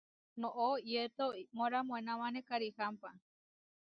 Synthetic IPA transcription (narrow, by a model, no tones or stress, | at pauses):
nõʔoiet̪omõɾamõẽnãmanekaɾihampa